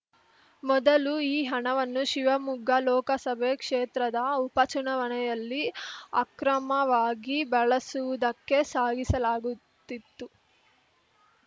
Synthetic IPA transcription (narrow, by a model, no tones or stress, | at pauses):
mɔd̪ɐluiːɦɐɳɐʋɐnːuʃiʋɐmuɡʱːɐlɔːkɐsɐbʱekʂeːt̪ɾɐd̪ɐupɐt͡ʃuɳɐʋɐnɛjɐlːiɐ̰kɾɐmɐʋaːɡibɛɭɐsuʋud̪ɐkːe̞saːɡisɐlaːɡut̪ːit̪ːu